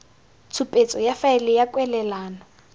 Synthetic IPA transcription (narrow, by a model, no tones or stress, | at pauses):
t͡sʰupʼet͡sʼɔjafaɪlɪjakʼwɛlɛlaːnɔ